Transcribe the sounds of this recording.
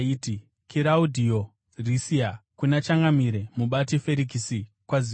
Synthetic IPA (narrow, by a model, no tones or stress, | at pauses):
iːti | kiɾaudʱio | risiakunat͡ʃaŋɡamiɾemuɓatife̞ɾik̬isi | kwazi